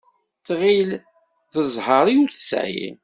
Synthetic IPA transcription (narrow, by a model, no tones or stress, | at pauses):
θʁil | θəzˤhəɾˤiuθə̥sjḭ